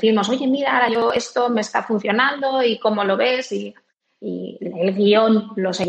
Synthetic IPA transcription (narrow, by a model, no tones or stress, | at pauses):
θiɾmo̞so̞ʝe̞miɾaoɾaʝo̞e̞st̪o̞me̞ːst̪afun̟θjo̞nãnd̪o̞iko̞mo̞lo̞βe̞siː | elɣio̞nlo̞se